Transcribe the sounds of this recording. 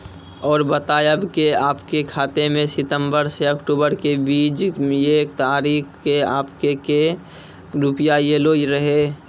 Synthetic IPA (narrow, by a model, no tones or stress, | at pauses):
ɔːɾbət̪aːjəbkeaːpkekʰaːt̪emẽsɪt̪ə̃mbəɾseəkʈuːbəɾkebiːd͡ʒeːk̚t̪aːɾiːkkeaːpkeke | ɾupjajeloːiɾəɦe